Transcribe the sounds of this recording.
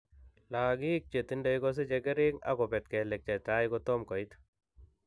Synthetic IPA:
la˨ɡi˦k̚t͡ʃe˨t̪i˦nda˨jɡo˦s̬e˦d͡ʒe˧ɡe˦ɾi˦ŋa̰˦kɔ˨pɛ˨t̪̚ke˨le˨k̚t͡ʃa˨t̪a˦jɡo˧t̪ɔ˦mkɔ˨jt̪

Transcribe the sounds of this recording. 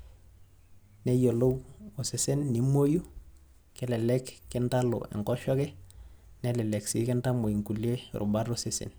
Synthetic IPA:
nejo˨lo˦wo˨se˨se˦nːi˦mo˦ju˦ | kɛ˦lɛlɛkːentalo̰˨ʔɛ̰˨ŋkɔʃɔ˦kɛnelɛ˨le˨ksḭ˦kɛ˦nta˦mo˨i˨ŋku˨lie˦ɾṵbaɾosesḛ˨n

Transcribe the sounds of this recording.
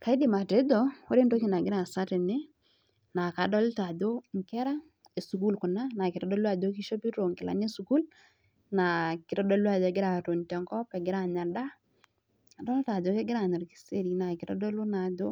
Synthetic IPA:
ka˨i˦dɪ˨ma˨te˨˦do˦wo˦ɾe˦ndo˦ki˦˨na˨ɡɪ˦ɾa˨sa˦tɪ˨nɪ˦ | na˨ka˨dɔ˦lɪ˦ta˨do˦ŋkɛ˦ɾa˦ | e˨su˨ku˦lkʊ˨na˦na˨kɪ˨ɾɔ˦dɔ˦lwa˨do˦ki˦ʃo˦pi˦ɾo˨ŋkɪ˨la̰˨˦ne˦su˨ku˦l | na˨kɪ˨ɾɔ˦dɔ˦lu˦a˦˨do˨ɡɪɾa˨to˨ntɛ˨ŋkɔ˦pɛ˨ɡɪ˦ɾa˨ɲa˨da˦ | a˨dɔ˦lta˨do˦kɛ˦ɡɪ˦ɾa˨ɲɔ˨ɾki̥˦se˦ɾi˨na˨kɪ˨ɾɔ̰˦dɔ˦lo˦na˨do˦

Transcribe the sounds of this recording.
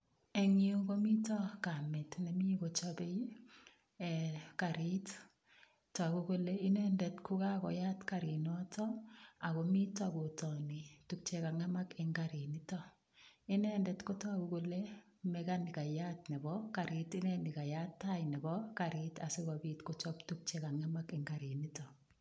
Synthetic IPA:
ɛ˨ŋio˦ko˦mi˦tɔ˦ka˨mɛ˨tnɛ˨mi˦ko˨t͡ʃɔbe˦j | ɛ˨kaɾit | tːku˦ko˦lei˦nɛndɛ˨tkʰu˦ka˦kɔ̰˨ja˦tkaɾi˨nɔ˦tɔ˦a˨ko˨mi˦tɔɡo˨tɔ˨ni˨tuk̚t͡ʃe˨ka˨ŋa˦ma˦kɛ˨ŋɡaɾini˦tɔ˦ | ɪ˦nɛndɛtkɔ˦tɔ˦akukole˦ | mɛkanɪka˨ja˦tnɛ˨bɔkaɾitɪ˦nɛ˦nɪka˨ja˦tːajnɛ˨bɔka˨ɾɪtasɪ˦ɡɔbitkɔt͡ʃɔptuk̚t͡ʃe˨ka˨ŋa˦ma˦kɛ˨ŋɡa˨ɾi˨ni˦tɔ

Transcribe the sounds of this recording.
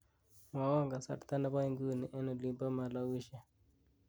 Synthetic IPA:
mwa˨˦wa˦ŋɡa˨sa̰˨ɾt̪a˦na˦βa˦i˦ŋɡu˦˨nɛ˨ʔɛ˦nɔ˨li˦mba˦ma˨la˦wi˦ʃɛ˨

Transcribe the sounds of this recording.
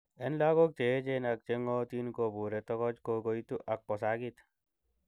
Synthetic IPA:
ɛ˦nla˦ɡo˦k̚t͡ʃe˨˦t͡ʃe˦na˨k̚t͡ʃe˦ŋɔ˦t̪i˦nko˨bu˨ɾɛ˨t̪ɔ˦kɔ˦t͡ʃko˧ɡo˦jt̪u˦ʔa˨k̚pɔ˨sa˦ɡi˦t̪

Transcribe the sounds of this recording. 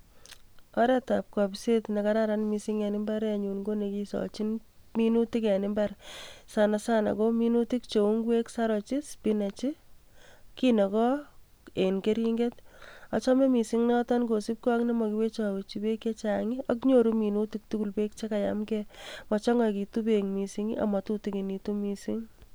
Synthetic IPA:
ɔɾɛ˦tap̚kɔpsetna˨kaɾaɾanmi˨si˦ŋjanɪ˦mba˦ɾjaɲu˨nɡo˦nekisɔ̰t͡ʃin | minu˦ti˦kanɪmbarsanasana̰˨kominutik̚t͡ʃo˨u˦ŋwe˦ksaɾɔ˨t͡ʃi˦spinat͡ʃi | kinɔ˨kɔ˦ | e˨nke˦ɾi˦ŋɡeta˨t͡ʃɔ˦mɛ˦mi˨siŋnɔtɔ˦nko˨si˦p̚kɔ˦knɛ˦mɔ˨ki˦we˦t͡ʃa˨ko˨t͡ʃi˨be˦ket͡ʃaŋiakɲoɾu˦mi˨nu˦ti˦k̚tu˦ku˨lpe˦k̚t͡ʃe˦ka˨ja̰mkɛmɔt͡ʃɔ˦ŋɔ˦ki˨tu˦peŋmi˨siŋia̰˨ma˨tu˦ti˦ki˨ni˨tu˦mi˨si˦ŋ

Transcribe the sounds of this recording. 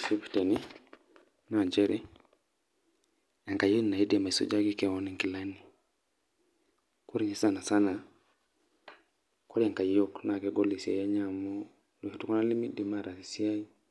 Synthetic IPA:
si˦pi̥˨tɛ˨ni˦ | na˨d͡ʒɛ˦ɾi˦ | a˨ŋka˨jo˦n˨na˨i˦dma˨i˨sɔ̰˦d͡ʒa˦ki˦kɛ˦˨ɔ˦ni˨ŋki˨la˦ni˨ | ku˦ɾi˨ɲi˦sa˦na˨sa˦na˨ | kɔ˦ɾi˦a˨ŋka˨jɔ˦kna˨kɛ˨˦ɡɔ˦li˨sa̰˨ja˦ɲa˦˨mɔ˦ | lɔ˨hɛ˨tu˦kɔ˦na˦li˦mi˦di˨ma˦˨ɾa˨si˨si˦a˦i˦

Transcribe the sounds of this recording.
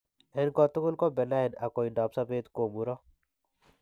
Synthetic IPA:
ɛ˦nkɔ˦t̪ʊ˦kʊ˦lkɔ˦bɛ˨na˦ɛ˨na˨kɔ˨i˨ndɔ˨psa˦pe˦t̪ko˨mu˨ɾɔ˦

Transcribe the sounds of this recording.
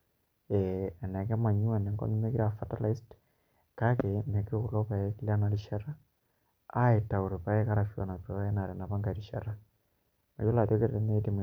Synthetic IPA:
e˨nɛ˨ke˦ma˨ɲu˦e˨ne˨ŋɡɔ̰˦nu˦me˦kiɾa˨fa˦ta˦la˦i˦st | ka˦ke˨me˨ke˦ku˨lo˦pa˨e˦ki˦la˦na˨˦ɾiʃa˦ɾa˦ | a˦e˨ta˨u˨ɾe˨pa˨e˦ka˦ɾa˨fja̰˨na˨po˨˦e˦na˨ɾe˨na˨pa˦ŋɡa˨ɾiʃara˦ | ma̰˨jo˦la˨tjo˦ke˦ɾeɾe˦ne˦i˦ti˨m

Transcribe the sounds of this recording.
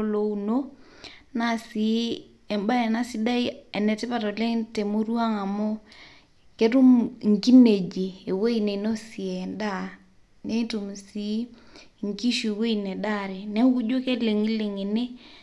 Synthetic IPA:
o˦lo˦u˦no˦ | na˦si˨˦ | ɛ˨mba˦ɛ˨na˦si˦da˦i˦e˨nɛ˨ti˦pa˨to˨le˦ŋte˨mo˦ɾwa˦ŋa˨mo˦ | ke˦tu˦mŋ˨ki˦ne˨d͡ʒiː˨we˦i˦ne˨no˦si˨ɛ˨nda˦ | ne˦tu˨msi˦ | ŋki˦ʃi˨we˦i˨ne˨da˦˨ɾe˨ne˦ku˦d͡ʒo˦ke˦le˨ŋi˦le˨ŋe˨ne˦

